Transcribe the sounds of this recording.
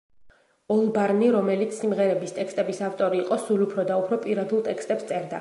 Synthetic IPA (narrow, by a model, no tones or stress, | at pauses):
ɔlˠbaɾniɾɔmɛlit̪sʰsimʁɛɾɛbist̪ʼɛkst̪ʼɛbisaft̪ʼɔɾiːqʼɔsulupʰɾɔd̪aupʰɾɔpʼiɾad̪ulˠt̪ʼɛkʰst̪ʼɛpst̪sʼɛɾd̪a̰